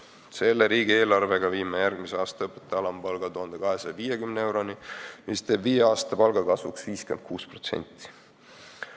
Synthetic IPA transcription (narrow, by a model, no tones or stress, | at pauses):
se̞lːeɾiːɡieːlɑrve̞ɡ̥ɑviːmejærɡ̥miseɑːst̪ɑɤpːˑe̥t̪ːˑeɑlɑmpɑlɡ̥ɑt̪uɦɑnd̪̥e̞kɑɦesɑjɑviːjekymnee̞wɾo̞nimist̪e̞ːbviːjeɑːst̪ɑpɑlɡ̥ɑkɑsvuksviːskend̪̥̚kʰuːspro̞t̪se̞̰nʲt̪ːˑi̥